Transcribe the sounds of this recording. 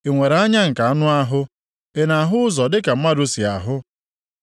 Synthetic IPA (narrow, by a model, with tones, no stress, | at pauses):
e˨ŋʷe˨ɾa˦ɲa˦ŋ̩˨ka˨a˦nʊ˦a˦ɦʊ˦ | e˦˨na˨ɦʊ˦ʊ˦zɔ˨dɪ˦ka˨m̩˦ma˦dʊ˦si˨a̰˨ɦʊ˦